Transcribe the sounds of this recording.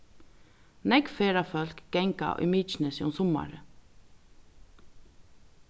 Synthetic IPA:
nɛkfeːɾafœlkɡ̥ɛŋka̰ʔʏ̰miːt͡ʃnəsiʊnsɔma̰ɾə

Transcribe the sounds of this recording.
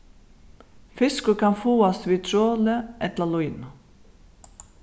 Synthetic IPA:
fɪskʊkʰɑnfuːɑsʋiːt̪ʰɾoːləʔɛt̪ləlʊiːn

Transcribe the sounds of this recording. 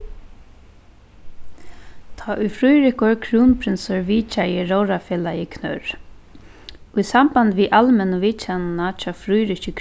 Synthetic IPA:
t̪ʰaːʔʊjfɾujɾɪkʊɹkʰɾuːnpʰɾɪnsɔɹʋiːt͡ʃajɪɹowɾafɛːlajɪkʰnœɹ | ʊjsamband̪ʋiʔalmɛnəʋiːt͡ʃɛnnat͡ʃʰɑːfɾujɾɪcɪkʰ

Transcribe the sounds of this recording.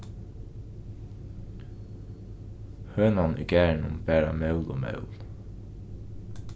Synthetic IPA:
høːnɑnʔḭɡæːɳʊ̰mbæːɾɑ̰mœʉlo̰ːmœ̰ʉl

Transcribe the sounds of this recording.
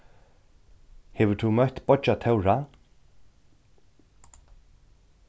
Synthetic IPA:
hɛːʋʏt̪ʰumœht̪bɔt͡ʃat̪ʰɛwɹa

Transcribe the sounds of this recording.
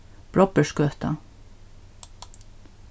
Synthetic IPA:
b̥ɹɔpəʃkøːt̪ɑ̰

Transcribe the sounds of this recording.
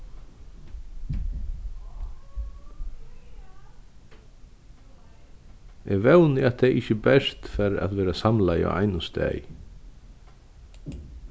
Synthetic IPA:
ɛːɡʋɛwnɪat̪t̪ʰɛʔɪçəbɛʂt̪fɛɾa̰t̪ʋeːɾasamlaja̰ʔa̰ɪjnʊst̪ɛ̰j

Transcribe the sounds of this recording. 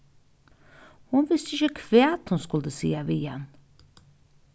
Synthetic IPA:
hʊnʋɪst̪əɪçəkʰʋeːɑt̪hʊnskɵld̪əsḭːaʋɪːɛ̰n

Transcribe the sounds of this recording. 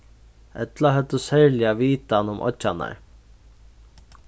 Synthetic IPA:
ɛ̰t̪laɦœt̪əsɛɹlɪaviːt̪anʊmʔɔ̰ana̰ɹ

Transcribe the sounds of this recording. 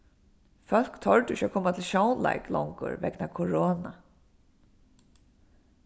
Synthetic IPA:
fœl̥kt̪ʰɔɹt̪ɪʃakʰoːmat̪ʰɪlʃownla̰jklɔŋkʊ̰ɹʋɛknakʰɔɹoːna

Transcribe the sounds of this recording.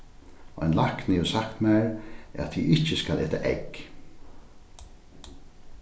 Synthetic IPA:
ɛ̰nlaknɪjʊsakt̪mæɹa̰t̪ʰːiːʔɪt͡ʃəskalʔeːt̪aʔɛ̰k

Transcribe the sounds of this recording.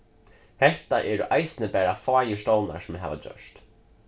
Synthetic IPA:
hɛht̪aʔɛːɾʊʔajsɪnəpæːɾafaːjɪst̪owna̰ɾsʊmɪɦa̰ːʋa̰d͡ʑœ̰ʂt̪

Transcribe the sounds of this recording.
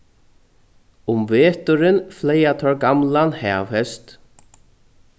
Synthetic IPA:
ʊmveːt̪ʏɾɪnflɛjat̪ʰɔɹɡamlanhɛːvhɛst̪

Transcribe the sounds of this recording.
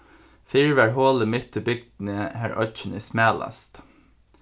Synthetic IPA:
fɪɹʋæɹɦoːləmʏt̪əbʏɡ̚d̪n̩əhæːɹʔœ̰çənəsmæːlɑ̰st̪

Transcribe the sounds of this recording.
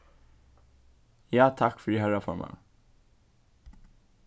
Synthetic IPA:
jaːt̪ʰakːfœɾɪɦœɾafœɾmʔɛ̰

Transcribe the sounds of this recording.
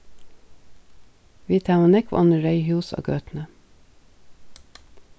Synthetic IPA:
ʋiːt̪ʰæːmɑnɛkʋ̰ʔɔnəɾœʏhʉːso̰ːɡøːt̪n̩ə

